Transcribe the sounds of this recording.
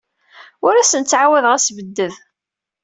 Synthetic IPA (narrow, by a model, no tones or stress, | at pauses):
ʊɾæsənt͡sːʕawæðʁæsvəd̪ːəð